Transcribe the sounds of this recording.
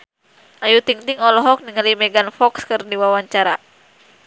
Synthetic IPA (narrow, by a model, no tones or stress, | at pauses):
ʔajut̪iŋt̪iŋɔlɔɦɔk̚niŋalimɛɡanfɔkskɨrdiwawaɲt͡ʃaɾa